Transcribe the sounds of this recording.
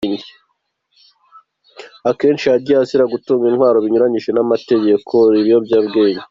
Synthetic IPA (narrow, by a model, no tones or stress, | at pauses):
ɲɟe | ake̞ːnt͡ʃiaɾɟiasiɾaɡutuːŋɡinhwaːɾo̞βiɲuɾaɲiʒe̞namate̞ɟe̞kʰo̞ɾiɾijobɟaːbɡe̞ːɲɟe